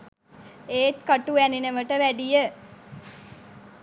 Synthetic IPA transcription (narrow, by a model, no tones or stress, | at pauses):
eːt̪kaʈuæninəʋəʈəʋæɖijə